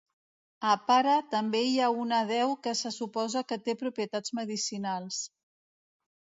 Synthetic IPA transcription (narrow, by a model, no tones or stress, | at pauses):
əpaɾət̪əmbeiaunəð̞ɛwkəsəsupɔzəkət̪epɾupɾiət̪ad͡zməðisinalˠs